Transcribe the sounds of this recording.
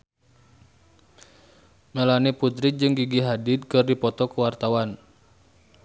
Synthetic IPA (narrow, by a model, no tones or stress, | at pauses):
məlaniput̪ɾid͡ʒɨŋɡiɡiɦadid̪̚kɨrdipɔt̪ɔkuwart̪awan